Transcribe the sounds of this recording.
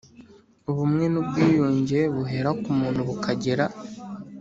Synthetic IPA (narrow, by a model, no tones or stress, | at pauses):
uβumŋe̞nub̚ɡiːjuːɲɟe̞βuɦe̞ɾakumuːn̥uβukʰaɟeɾa